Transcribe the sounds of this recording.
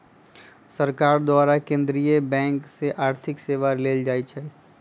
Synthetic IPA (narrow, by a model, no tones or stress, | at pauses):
səɾkaːɾd̪ʊwaːɾakẽːnd̪ɾijebɛ̃ːŋkseʔaːɾt̪ʰɪkseːʋaleːld͡ʒaːit͡ʃʰai